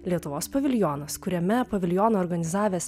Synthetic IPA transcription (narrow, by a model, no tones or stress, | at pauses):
lʲiɛt̪ʊʋoːspɐʋʲɪlʲjɔnɐskʊɾʲɛmʲɛpɐʋʲɪlʲjɔːnoːɾɡɐnʲɪzɑːʋʲeːs